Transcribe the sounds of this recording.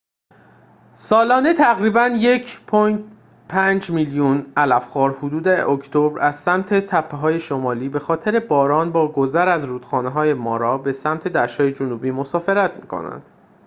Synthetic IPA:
sɒːlɒːne̞t̪ʰæɣɾiːbænje̞cʰpʰojt̪ | pʰænd͡ʒmiːljunælæfxɒːɾhud̪uːd̪eokʰt̪ʰobɾæz̥sæmt̪ʰe̞t̪ʰæpʰːeɦɒːje̞ʃomɒːliːbe̞xɒːt̪ʰe̞ɾe̞bɒːɾɒːnbɒːɡo̞zæɾæzɾuːd̪̥xɒːneɦɒːje̞mɒːɾɒːbe̞sæmt̪ʰe̞d̪æʃɒːje̞d͡ʒonuːbiːmo̞sɒːfe̞ɾæt̪ʰmi̥̰ːkʰo̰næ̰nd̪̥

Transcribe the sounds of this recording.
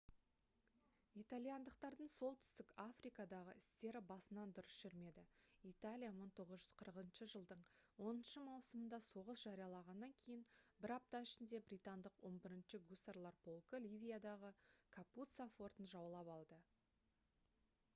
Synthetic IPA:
ijt̪alʲijand̪əqt̪ɑɾd̪əɴso̞lˠt̪ʰʏ̥st̪ɪkafrijkɑd̪ɑʁə̰ɪst̪e̞ɾɪbɑsənɑnd̪ʊɾɪsʃʏɾme̞d̪ɪit̪alʲijaməɴt̪ʰo̞ʁəzʒʏz̥qʰəɾəqənʃəʒəlˠd̪əɴ | wo̞nənʃəmɑwsəmənd̪ɑso̞ʁəsʒ̥ɑɾijɑlˠɑʁɑnːɑŋkʲʰe̞jɪnbɪɾɑp̚t̪ɑɪʃɪnd̪e̞bɾijt̪and̪əqwo̞nbɪɾɪnʃɪɡust̪aɾlˠɑɾpʰo̞lˠkəlʲivʲijad̪ɑʁəkʰaput̪safo̞rt̪ənʒɑwlˠɑpɑlˠd̪ə

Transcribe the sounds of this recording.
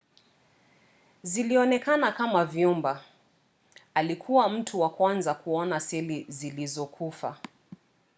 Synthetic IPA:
ziliɔnɛkanakamavjumba | alikʰuwam̩tʰuwakwanzakuɔnasɛlizilizɔkʰufa̰

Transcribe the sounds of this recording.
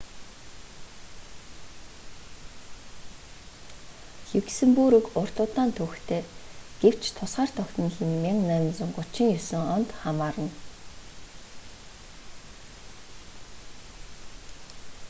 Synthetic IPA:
ɮuwksɘ̆mpuɾɵ̆kʊr̥t̪ʊːt̪aːnt̪ʰɵxt̪ʰeːɡ̥ew̥t͡ɕʰt̪ʰʊsχaːr̥t̪ʰɔkt̪ə̆nɮɘ̆nmiŋnæ̆nt͡sʊ̆ŋɢʊt͡ɕɪ̆ŋjɵsɘ̆ŋɔnt̪χamaːɾə̆n

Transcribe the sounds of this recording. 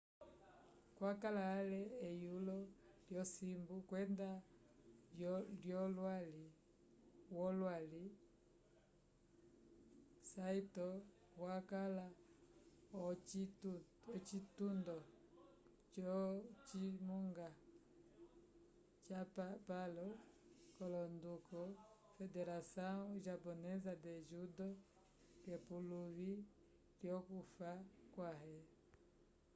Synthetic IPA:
kwakalaːlɛːjulɔljɔsimbukwɛnda | ljɔlwali | wɔlwali | saitɔ | wakala | ɔ | ɔt͡ʃitundɔ | t͡ʃɔt͡ʃimuŋɡa | t͡ʃappalɔkɔlɔndukɔ | fɛdɛɾasaʒapɔnɛzadɛʒudɔ | kɛpuluvi | ɾjɔkufakwaɦɛ

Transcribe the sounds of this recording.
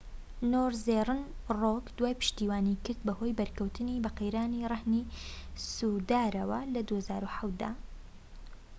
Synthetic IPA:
noːɾzerˤɨnrokd̪waːjpɨ̥ʃt̪iːwaːnikɨɾd̪̚bɐho̞jbɐɾkɐwt̪ʰɨnibɐqejɾaːnirˤɐhnisud̪aːɾɐwɐlɐd̪uhazaːɾuħawt̪̚d̪a̰

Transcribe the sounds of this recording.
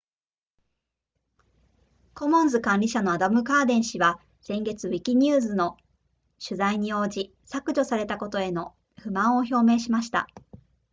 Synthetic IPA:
ko̞mõ̞nzɨkãnʲɾʲiɕano̞ad̪amɯ̟kaːd̪ẽ̞ɰ̃ɕiβa | sẽ̞ŋɡe̞t͡sɨβikʲiɲ̟ɯːzɨno̞ | ɕɨzaiɲ̟io̞ːd͡ʑi | sakɯ̟ʑo̞saɾe̞t̪ako̞t̪o̞e̞no̞ | ɸɯ̟mãɰ̃o̞ço̞ːme̞ːɕimaɕi̥t̪a̰

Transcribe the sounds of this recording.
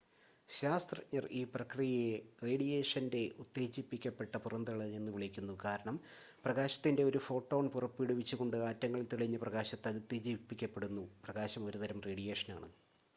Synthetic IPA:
ɕaːst̪rɐɲːʔɐriːprɐkrijɐjereːɽijeːʂɐnde̞ʔut̪ːe̞ːd͡ʑipːikʲːɐpːe̞ʈːɐpurɐnd̪iɭɐnenːɨʋiɭikʲːunːukaːɾɐɳɐm | prɐɣaːɕɐ̥t̪ːinde̞o̞ɾufo̞ːʈːo̞ːɳpurɐpːiɽuʋit͡ɕːuɣo̞ɳɖɨaːtːɐŋːɐɭt̪iɭɐɲːɨprɐɣaːɕɐt̪ːɐðut̪ːeːd͡ʑipːikʲːɐpːe̞ɽunːuprɐɣaːɕɐmo̞ɾut̪ɐɾɐmreːɽijeːʂɐna̰ːɳɨ

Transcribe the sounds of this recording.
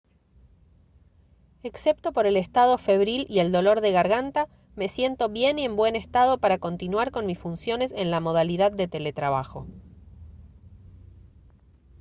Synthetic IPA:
eksep̚t̪o̞po̞ɾe̞lest̪að̞o̞fe̞βɾilie̞ld̪o̞lo̞ɾðe̞ɣaɾɣant̪a | me̞sje̞nt̪o̞βje̞nie̞mbwe̞nest̪að̞o̞paɾako̞nt̪inwaɾko̞nmisfunsjo̞ne̞senlamo̞ð̞aliðaðːe̞t̪e̞le̞t̪ɾaβ̞axo̞̰

